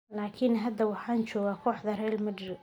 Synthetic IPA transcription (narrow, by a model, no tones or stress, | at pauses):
laːkʰɪnɦɐd̪ːɐwɑħɑːnt͡ʃɔːɣaːkʰɔːħd̪ɐrɛːlmɐɖɪɾɪ